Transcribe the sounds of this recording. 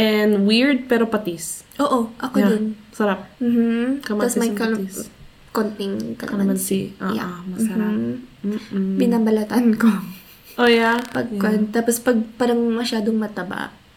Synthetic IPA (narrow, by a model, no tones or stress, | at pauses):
ʔɛnwiɹd̪̚pɛːɾopɐt̪isʔoːʔoʔɐkod̪onsɐɾap̚m̩ːhm̩kɐmɐɐsmɐjkɐ | kont̪ɪŋkɐ̰ɐnɐmsiʔa̰ja̰ɐɐɾ̩ | bɪnaːbɐlɐt̪ɐnko | ʔojapɐɡ̚kɛnt̪aːpospɐɡ̚paːɾɐŋmomɐʃaːd̪oŋmɐt̪ɐba̰ʔ